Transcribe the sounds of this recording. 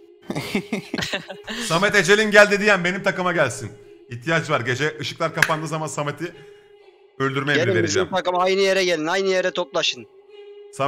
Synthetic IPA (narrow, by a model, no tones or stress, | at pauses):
samɛt̪e̞d͡ʒe̞lʲinɟælʲd̪id̪ijænbe̞nimt̪ʰakɯmaɟælʲsiniçt̪ʰijat͡ʃvaɾɟe̞d͡ʒɛʔɯʃɯ̥klˠaɾkʰapand̪ɯzamansamet̪ʰi | ølʲd̪yɾmɛjɾɛveid͡ʒɛmt̪akɯmajnɯjeɾɛɟelʲinajnɯjeɾɛt̪ʰok̚lˠaʃɯn | sa